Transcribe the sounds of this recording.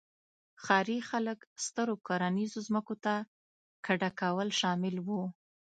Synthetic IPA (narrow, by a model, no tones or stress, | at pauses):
xɑɾixaləkst̪əɾokaɾanizozməkot̪a | kaɖakawəlʃɑmɪlwu